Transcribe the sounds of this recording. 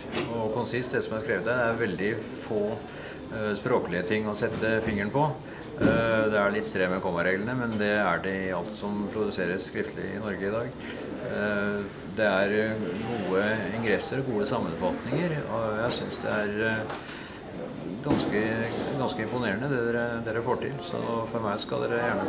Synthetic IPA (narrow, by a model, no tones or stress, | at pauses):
ɔkʰʊnsɪst̪d̪ɛsɔmhɑɾskɾeːʋət̪æd̪ɛæɾʋɛld̪ɪ | foː | spɾoːkəlɪət̪ʰɪŋːɔsɛt̪ːəfɪŋːəɳpʰɔ | d̪ɛæɭɪt̪ːst̪ɾɛməkʰɔməɾeːɡlənəmɛnd̪ɛæɖɛɪɑlt̪sɔmpʰɾʊd̪ʉseːɾəsskɾɪft̪ʰəlɪ̰ɪnɔɾɡəɪd̪ɑːɡ | d̪ɛæɾɡuːəɪŋɡɾɛsːəɾɔɡuːəsɑmːənfɑt̪nɪŋəɾɔjæɪsʏnsd̪ɛ̰æɾ | ɡɑnskəɡɑnskəɪmpʊneːəɳəd̪ɛɾəd̪eːɾəfoːʈʰɪ̰lsɔ̰fɔɾmæɪskɑ̰ld̪ḛːɾəjæːɳə